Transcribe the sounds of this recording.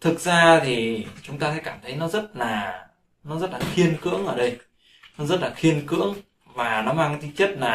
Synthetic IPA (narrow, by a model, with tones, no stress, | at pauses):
t̪ʰɨ˨˩k̚zaː˧t̪ʰi˨˩t͡ɕʊ˨˦ŋ͡mt̪aː˧sɛ̰˧˥kaː˧˩mt̪ʰə˨˦jnɔ˨˦zə˦˥t̚laː˨˩ | nɔ˨˦zə˦˥t̚laː˨˩xi˧ənkɨ̰˧˥əŋʔəː˧˩ɗə˧j | nɔ˨˦zə˦˥t̚laː˨˩xi˧ənkɨ̰˧˥əŋ | vaː˨˩nɔ˨˦maː˧ŋkːt̪ʰi˧˦t͡ɕə˦˥t̚laː˨˩